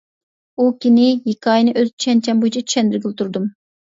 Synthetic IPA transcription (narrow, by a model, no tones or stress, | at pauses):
ukʲinɪjikʰɑːjnɨʔøzt͡ʃʰy̥ʃʰɛnt͡ʃʰɛmbojit͡ʃʰɛt͡ʃʰy̥ʃɛnd̪ɪɾɡʲilt̪ʰuɾd̪um